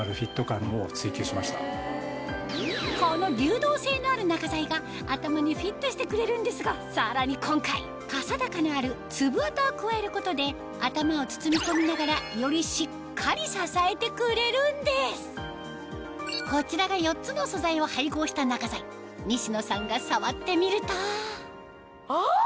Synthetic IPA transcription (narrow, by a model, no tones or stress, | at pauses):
aɾɯ̟ɸʲit̪ːo̞kãmːoːt͡sɨikʲiɕimaɕi̥t̪a | ko̞no̞ɾʲɯːd̪o̞ːse̞ːno̞aɾɯ̟nakazaiɡaː | t̪amaɲ̟iɸʲit̪ːo̞ɕi̥t̪e̞kɯ̟ɾe̞ɾɯ̟̃nd̪e̞sɨɡasaɾaɲ̟ikʰõ̞ŋkai | kasad̪akanaːɾɯ̟t͡sɨbɯ̟at̪ookɯ̟βae̞ɾɯ̟ko̞t̪o̞d̪e̞ | at̪amao̞t͡sɨ̥t͡sɨmʲit̪o̞mʲinaɡaɾajo̞ɾʲiɕikʰːaɾʲisasae̞t̪e̞kɯ̟ɾe̞ɾɯ̟̃nd̪e̞sɨ̥ | ko̞t͡ɕiɾaɡajo̞tt͡sɨno̞so̞zaiohaiɡo̞ːɕi̥t̪anakazai | ɲ̟ʲiɕino̞sãŋɡasaβat̪ːe̞mʲiɾɯ̟t̪o | o